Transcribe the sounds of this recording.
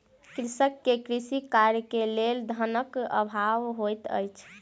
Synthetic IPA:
kɾisəkːekɾisikaɾjkeleld̪ʱənəkə̰bʱaʋɦojt̪ə̰jt͡ʃʰ

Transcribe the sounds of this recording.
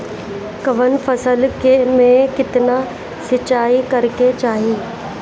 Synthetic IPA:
kɐʋənfʰɐsəlkemẽkɪt̪na | sɪt͡ʃaːikɐɾket͡ʃaːɦiː

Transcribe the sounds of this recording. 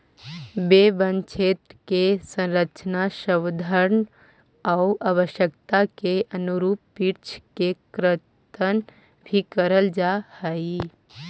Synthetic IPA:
bebə̃nt͡ʃʰeːt̪kesə̃nɾət͡ʃənaʃəwd̪ʱəɾn | aʊʔaʋəʃjəkt̪akeʔənuɾuːppiɾt͡ʃʰkekɾɪt̪ən | bʱikəɾəld͡ʒahəi

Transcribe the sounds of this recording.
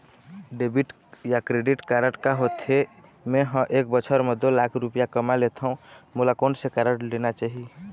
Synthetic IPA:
ɖebiʈ | jakɾeɖiʈkaɾəʈkaɦot̪ʰemeɦə̃ʔek̚bət͡ʃʰəɾmed̪olakʰɾupijakəmalet̪ʰəũmulakonsekaɾəʈlenat͡ʃaɦi

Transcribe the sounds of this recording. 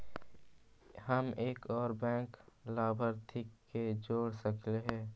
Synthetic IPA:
həmeːkɔːɾbɛ̃ːŋklaːbʱəɾt̪ʰɪkːed͡ʒoːɽsəkʰleɦɛ̃ː

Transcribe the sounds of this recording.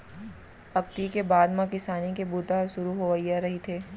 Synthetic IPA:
ɐk̚t̪ikebaːd̪mãkɪsaːnik̬ebut̪aʃʊɾuɦoʋəiaɾɐɦit̪ʰeː

